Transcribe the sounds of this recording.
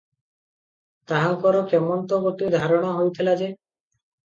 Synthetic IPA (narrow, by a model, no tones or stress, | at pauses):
t̪aɦaŋkɔɾokemɔnt̪ɔɡot̪id̪ʱaɾɔɽ̃ɔɦojt̪ʰilad͡ʒe